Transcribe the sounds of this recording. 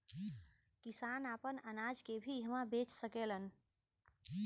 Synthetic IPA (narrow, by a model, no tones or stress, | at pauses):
kisaːnapənənaːd͡ʒkebʱiɦəmãbeːt͡ʃsəkeːlən